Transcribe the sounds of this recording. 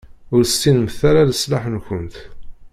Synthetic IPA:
ʊɾstːinməθaɾaðəslaħənçənt̪

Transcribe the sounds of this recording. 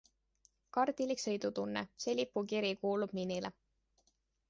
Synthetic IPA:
kɑrd̪̥iliksɤjd̪ut̪unːese̞lʲipːˑukiɾikuːlub̥ninile

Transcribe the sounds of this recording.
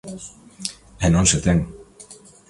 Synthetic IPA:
enonset̪eŋ

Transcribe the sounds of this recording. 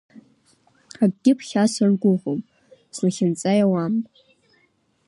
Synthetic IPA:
aɡ̚ɡʲɪpʰχʲasarɡʷʊʁʷom | snaχʲɪnt͡sʼajawam

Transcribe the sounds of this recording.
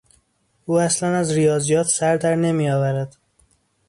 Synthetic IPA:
uːæslænæzɾijɒːzijɒːt̪ʰsæɾd̪æɾne̞mijɒːvæɾæd̪̥

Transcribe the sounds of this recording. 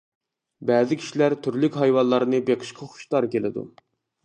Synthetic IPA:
bæːzɪkʲʰi̥ʃilæɾt̪ʰyɾlykʲɦɑjwɑnlˠɑɾɨnɨbeqʰə̥ʃqʰɑχʊ̥ʃt̪ɑɾkʲelɪ̰d̪ṵ

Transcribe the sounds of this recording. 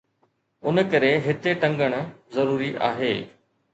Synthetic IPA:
ʊnəkɐɾeɦɪt̪eʈɐ̃ŋɡəɽ̃̆zɐɾuːɾiʔa̰ːɦeː

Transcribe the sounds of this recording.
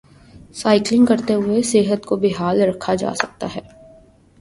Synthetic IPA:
saːɪklɪ̃ŋɡkɐɾt̪eɦʊeseːɦət̪kobʱɪɦaːlɾɐkʰːad͡ʒa̰ːsɐk̚t̪a̰ɦɛː

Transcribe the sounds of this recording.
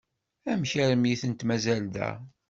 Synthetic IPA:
æmçæɾəmjiθənt̪mæzæld̪æ̰

